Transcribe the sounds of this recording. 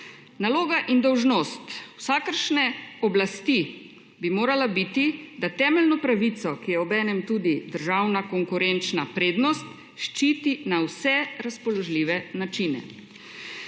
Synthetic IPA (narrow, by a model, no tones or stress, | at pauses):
naloːɡaʔind̪ɔwʒnoːst̪wsaːkəɾʃnɛɔblast̪i | bimoːɾalabit̪id̪at̪ɛːmɛlnɔpɾaʋit̪sɔkijɛɔbɛːnɛmt̪uːd̪id̪əɾʒaːwnakɔŋkuɾent͡ʃnapɾeːd̪nɔst̪ | ʃt͡ʃiːt̪inawsɛɾaspɔlɔʒliːʋɛnat͡ʃiːnɛ̰